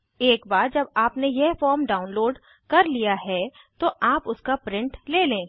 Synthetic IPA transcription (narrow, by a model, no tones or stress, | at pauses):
eːkbaːɾd͡ʒɐbaːpnejɛɦfɔːɾmɖaːʊnloːɖ | kɐɾlijaɦɛ | t̪oʔaːpʊskapɾɪ̃ɳʈleːlẽː